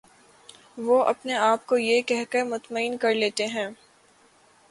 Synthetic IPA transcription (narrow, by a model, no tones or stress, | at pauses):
ʋoʔɐ̰pneaːp̚kojekɛɦkeɾmʊt̪məiːnkɐɾleːt̪eɦɛ̃ː